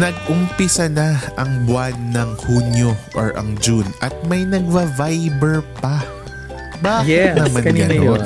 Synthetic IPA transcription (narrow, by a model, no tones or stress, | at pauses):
nɐɡ̚ʊmpɪsɐnaʔɐŋbwanːɐŋhunjoʔo̰ɹʔɐ̰ŋd͡ʒunɐt̪̚mɐjnɐɡ̚vɐvajbɛɹpɐ | baːkɪɪt̪nɐmana